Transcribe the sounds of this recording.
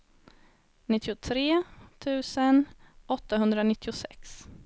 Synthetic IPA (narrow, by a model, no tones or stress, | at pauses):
nɪt̪ʰːɪʊt̪ʰɾeːt̪ʰʉ̟ːsənɔt̪ːaɦɵnd̪ɾanɪt̪ːɪʊsɛ̰ks